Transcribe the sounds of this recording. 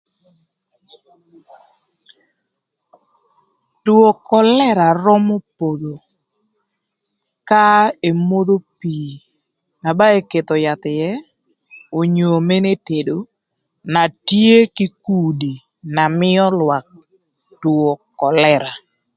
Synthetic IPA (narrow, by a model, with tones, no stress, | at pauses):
two˨kɔ˨lɛ˦ɾa˨rɔ˦mo˦po˨d̪o˨ | ka˦e˨mo˦d̪o˦pi˨ | na˨ba˦e˦ke˨t̪ɔ˨ja˨t̪ɪ˨jɛ˦ | o˨ɲo˨me˦ne˦te˨do˨ | na˨tje˦ki˦ku˦di˨ | na˨mɪ˦ɔ˦lwa˨k̚ | two˨kɔ˨lɛ˦ɾa˨